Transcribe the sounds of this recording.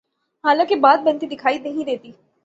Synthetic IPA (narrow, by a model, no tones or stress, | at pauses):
ɦaːlãːkibaːt̪̚bɐ̃nt̪id̪ɪkʰaːinɐɦĩd̪eːt̪iː